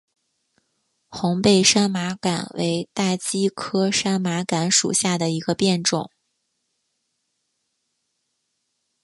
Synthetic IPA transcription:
xʊ˧˥ŋpe˥˩ɪʂa˥nma˧˥ka̰˨˩nwḛ˧˥ɪt̪a˥˩t͡ɕi˥kʰɤ˥ʂa˥nma˧˥ka˧˥nʂṵ˨˩ɕja˥˩d̪ə˩i˧˥ɡə˧pjɛ˥˧nʈ͡ʂʊ̰˨˩˦ŋ

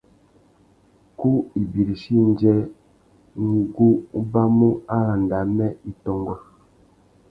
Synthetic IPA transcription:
ku˦i˨bi˨ɾi˨ʃi˦n˦d͡ʒɛ˦ | ŋ˦ɡu˦ba˦mu˦a˦la˨nda˨mɛ˦i˨tɔ˨ŋɡɔ˨

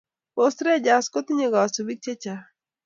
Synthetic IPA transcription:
po˨stɾe˦d͡ʒa˨sko˦t̪i˦ɲe˨ɡɔ˨so˨bi˦k̚t͡ʃe˦t͡ʃa˨˦

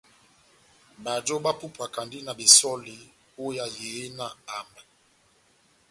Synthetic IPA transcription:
ba˨d͡ʒɔ˦ba˦pu˦pa˨ka˨ndi˦na˨be˨sɔ˦li˨ | o˦ja˦je˨˦na˨a˨mɛ˨

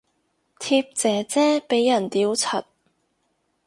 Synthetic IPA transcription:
t̪ʰiː˧p̚t͡sɛː˨˧t͡sɛː˥pe˨˥jːɐ˨˩nt̪iː˨˥wt͡sʰɐ˨˩t̚

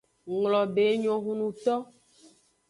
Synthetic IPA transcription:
ŋlɔ˨be˨˦ɲɔ̃˨ɦũ˦nũ˨t̪ɔ˦

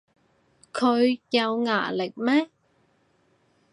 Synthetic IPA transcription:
kʰo˧jja˧wŋa̰ː˧˩lə˨˩k̚maː˦˥

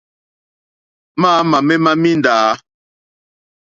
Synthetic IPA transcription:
maː˦ma˨mɛ˦ma˦mi˦ndaː˨˦

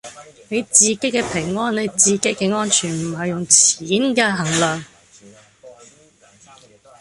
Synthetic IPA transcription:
ne˨˧jt͡siː˨ke˨˥jkɛː˧pʰɪ˨˩ŋːɔː˥nne˨˧jt͡siː˨ke˨˥kɛː˧ŋɔː˥nt͡ʃʰyː˨˩nm̩˨˩ɦɐ˨jːʊ˨ŋt͡sʰiː˨˥nkɛː˧ɦɐ˨˩ŋlœː˨ŋ

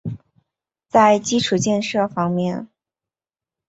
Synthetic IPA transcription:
t͡sa˥˩ɪt͡ɕi˥ʈ͡ʂʰu˨˩t͡ɕjɛ˥˧nʂɤ˥˩fɑ˥ŋmjɛ˥˩n

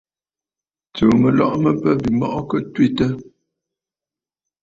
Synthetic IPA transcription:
t͡sə˨mə˨lɔ̰˦ʔmə˦pə˦bi˨mɔ̰˦ʔkə˦twi˦˨tə˦

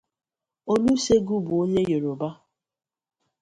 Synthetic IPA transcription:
o˦nu˦se˦ɡu˦bʊ˨o˦ɲe˦je˨ɾo˨ba˦

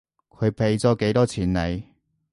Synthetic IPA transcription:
kʰɵ˨˧ɥpʰe˨˧jt͡sɔː˨˥ke˨˥jt̪ɔː˥t͡sʰiː˨˩nle˨˧j

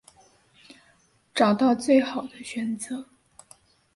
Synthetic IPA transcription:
ʈ͡ʂɑ˨˩ʊt̪ɑ˥˧ʊt͡swe˥˩ɪxɑ˨˩ʊd̪ə˦ɕɥɛ˨˩˦nt͡sɤ˧˩˦

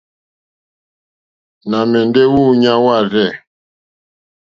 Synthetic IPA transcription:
na˨mɛ˨ndɛ˦wuː˦ɲa˦wa˦˨ɾɛ˦˨

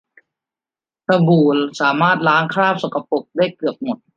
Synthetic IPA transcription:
ta˧buː˨˩lsaː˩˦maː˥˩t̪̚laː˦˥ŋkʰɾaː˥˩p̚so˨˩ka˧po˨˩k̚daː˥˩jkɯ˨˩əp̚mo˨˩t̪̚

